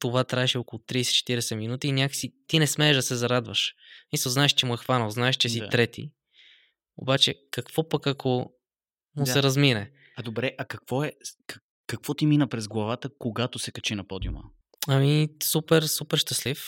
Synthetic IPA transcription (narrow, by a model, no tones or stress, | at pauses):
t̪ovat̪ɾaɛʃɛokolˠʊt̪ɾiːsɛ̥t͡ʃɛ̥t̪iɾɛsɛminut̪iːnʲakə̥sit̪inɛsmɛɛʒd̪ɐsɛzɐɾad̪vəʃmisəlznaɛʃt͡ʃɛmuɛxvanəlˠznaɛʃt͡ʃɛsit̪ɾɛt̪ḭ | o̰bat͡ʃɛkɐkvɔpɐkakʰo | mʊsɛɾɐzminɛ | ɐd̪obɾɛʔɐkɐkvɔɛk | kːɐkvɔt̪iminəpɾɛzɡlˠɐvat̪əkoɡat̪osɛkɐt͡ʃinɐpɔd̪iṵmə̰ | ɐmisupɛɾsupɛɾʃt̪ɐslif